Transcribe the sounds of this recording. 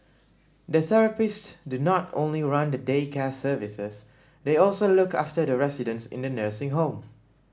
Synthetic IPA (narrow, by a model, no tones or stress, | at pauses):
dəθɛɹəpɪssdunɔtõ̰nliɹãndədekʰɛsəvisəs | deɔlsolʊka̰ftədəɹɛsidə̃nsɪ̰̃ndənəsɪ̃ŋɦõm